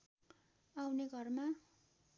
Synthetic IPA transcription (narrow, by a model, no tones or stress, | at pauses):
awneɡʱʌrma